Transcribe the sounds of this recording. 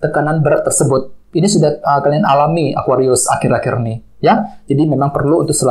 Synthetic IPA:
t̪əkananbəɾaʔt̪ərsəbʊt̪̚inisudahəkalianalamia̰kwaɾiʊsa̰kɪɾakɪrni | jad͡ʒadimemaŋpərluunt̪ʊk̚səla

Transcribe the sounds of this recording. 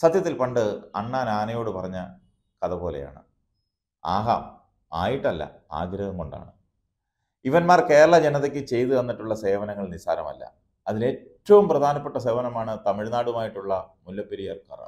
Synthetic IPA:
sɐd̪jɐt̪ːilpɐɳɖɨɐ̰ɳːaːnaːnɐjo̞ːɽɨpɐrɐɲːɐ | kɐðɐpo̞ːle̞̰ja̰ːɳɨ̰ | aːɦa̰ːm | a̰ːjiʈːɐlːɐ̰a̰ːɡɾɐðɐmkoɳɖa̰ːɳɨ | iʋɐnmaːrke̞ːɾɐɭɐd͡ʑenɐtðekʲːɨt͡ɕe̞jt̪uenːiʈːuɭːɐse̞ːʋɐnɐŋːɐɭnisaːnɐmɐ̰lːɐ̰ | ɐðile̞ːtːɐʋumprɐd̪ʱaːnɐpːe̞ʈːɐs̬e̞ːʋɐnɐmaːɳɨt̪ɐmiɻnaːɽumaːjiʈːuɭːɐmulːɐpːeɾijɐrka̰rɨ̰

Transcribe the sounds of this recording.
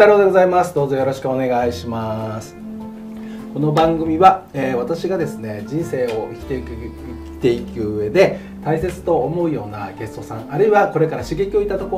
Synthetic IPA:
aɾoːd̪eɡo̞zaimasɨd̪o̞ːzo̞jo̞ɾo̞ɕi̥kɯ̟o̞ne̞ɡaiɕimasɨ̥ | ko̞no̞bãŋɡɯ̟mʲiβaeːβat̪aɕiɡad̪e̞sɨne̞d͡ʑĩɰ̃se̞ːo̞ikʲi̥t̪e̞ikɯ | kʲi̥t̪e̞ikɯ̟ːe̞d̪e̞ | t̪aise̞t͡sɨ̥t̪o̞ːmo̞ɯ̟jo̞ːna̰ɡe̞sɨ̥t̪o̞sã̰ŋaɾɯ̟iβako̞ɾe̞kaɾaɕɨɡe̞kʲio̞it̪at̪o̞ko

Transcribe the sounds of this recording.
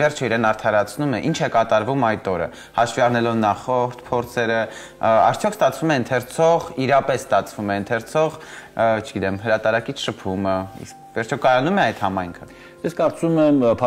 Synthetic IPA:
vɛrt͡ʃʰɔiɾɛnɑɾt̪ʰɑɾɑt͡sʰnumɛʔint͡ʃʰɛkɑt̪ɑɾvumɑjt̪ɔɾə̰ | hɑʃviɑɾnɛlɔvnɑχɔɾt̪ʰpʰɔɾt͡sʰɛɾə | ɑ̰ɾt͡sʰjɔkst̪ɑt͡sʰvumɛənt̪ʰɛɾt͡sʰɔʁiɾɑpɛsːt̪ɑt͡sʰvumɛnt̪ʰɛɾt͡sʰɔʁt͡ʃʰəɡit̪ɛmɦəɾɑt̪ɑɾɑkit͡sʰʃəpʰuməḭskvɛɾt͡ʃʰɔkɑjɑnumɛɑjt̪hɑmɑjŋkʰə | jɛskɑɾt͡sumɛmpʰ

